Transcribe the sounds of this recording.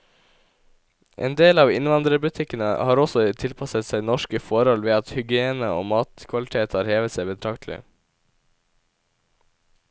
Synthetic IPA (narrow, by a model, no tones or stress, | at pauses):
ʔḛːnd̪eːlɑːʋɪ̰nʋɑnd̪ɾəbʉt̪ʰɪkənəhɑːɾɔsɔt̪ʰɪlpʰɑsət̪sæɪnɔʃkəfɔɾhɔlʋeːɑt̪hʏɡɪeːnəo̰ːmɑːt̪kʰʋɑlɪt̪ʰeːt̪hɑːɾheːʋət̪sæɪbət̪ʰɑkt̪ʰlɪ̰